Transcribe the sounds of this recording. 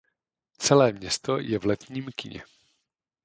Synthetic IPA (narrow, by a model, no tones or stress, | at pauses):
t͡sɛlɛːmɲɛst̪ojʔɛvlɛt̪ɲiːmkɪɲɛ̰